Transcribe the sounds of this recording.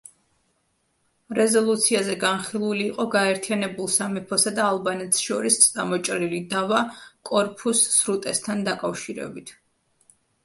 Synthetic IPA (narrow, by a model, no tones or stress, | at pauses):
ɾɛzɔlˠut̪sʰiazɛɡanχilˠuliːqʼɔɡaɛɾt̪ʰianɛbulˠsamɛpʰɔsad̪aːlˠbanɛt̪sʃɔɾist̪sʼamɔt͡ʃʼɾilid̪avakʼɔɾpʰusːɾut̪ʼɛst̪ʰand̪akʼafʃiɾɛ̰bit̪ʰ